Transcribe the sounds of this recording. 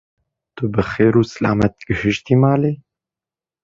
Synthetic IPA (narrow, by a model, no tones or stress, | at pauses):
t̪ʊbɨxeːɾuːsɨla̰ːmɛt̪̚ɡɨhɨʃt̪iːmaːleː